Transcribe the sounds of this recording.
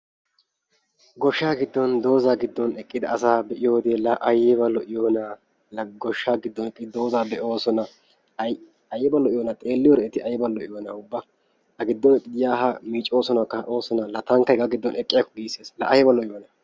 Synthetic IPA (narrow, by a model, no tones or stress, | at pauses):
ɡɔʃːaːɡɪd̪ːɔnd̪o̞ːzaːɡɪd̪ːɔnɛkʼːɪd̪ɐɐsaːbɛʔɪjoːd̪eːlɐʔɐjɛbɐlɔʔɪjoːna | lɐɡɔʃːaːɡɪd̪ːɔnɛkʼːɪd̪o̞ːzaːbɛʔo̞ːsɔnɐ | ɐjːɛbɐlɔʔɪjɔːnɐt̪ʼeːlːɪjɔɾɛɛt̪ɪʔɐjɛbɐlɔʔɪjoːnɐʊbːɐ | ɐɡɪd̪ːɔnɛkʼːɪd̪ɪjaːɦɐmiːt͡ʃʼːo̞ːsɔnɐkːɐʔo̞ːsɔnɐlɐt̪ɐŋkːɐɡɐɡɪd̪ːɔnɛkʼːɪjakːɔɡiːseːslɐʔɐjɛbɐlɔʔɪjoːnɐ